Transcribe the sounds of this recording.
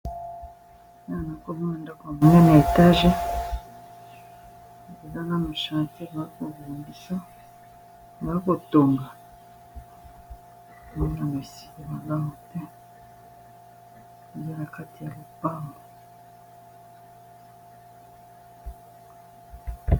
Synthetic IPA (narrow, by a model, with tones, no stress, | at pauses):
na˦˨na˨ko˦mo˦o˨nda˦ka˨mo˨ne˦na˨e˨ta˦ʒe˦˨ | e˨za˦na˦mo˨ʃã˨te˦˨ba˨i˦ko˨vu˨mbi˨sa˦˨ | ba˨a˦ko˨to˨ŋɡa˨ | m˦na˨mo˨si̥˨bi˨ma˨la˦mo˨tɛ˦˨˦ | ja˦na˨ka˦ti˨ja˨lo˨pa˦mo˨